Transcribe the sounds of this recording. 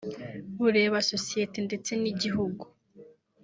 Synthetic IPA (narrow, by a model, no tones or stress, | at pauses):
βuɾe̞ːβaso̞sijetende̞t͡se̞niɟiɦuɡu